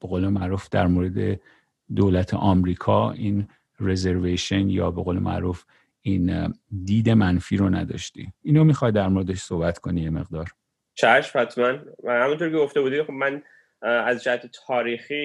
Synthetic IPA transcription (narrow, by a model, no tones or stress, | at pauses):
b̥eɣoːlemæɾuːfd̪æɾmoɾed̪ḛ | d̪oːlæt̪ʰḛʔɒmɾiːkʰɒːiːn | rezeɾveʃonjɒːbe̞ɣoːlemʔæ̰ɾuːf | ind̪iːd̪e̞mænfiːɾonæ̰d̪ɒ̰ʃt̪ḭiːnomixɒjd̪æɾmoɾed̪eʃsohbæt̪kʰo̞nijeme̞̰ɣd̪ɒːɾ | t͡ʃʰæʃphæt̪ʰmænhæmunt̪ʰoɾkʲeɡoft̪ebuːd̪ixobmæn | æzd͡ʒæhæt̪ʰet̪ʰɒːɾiːxiː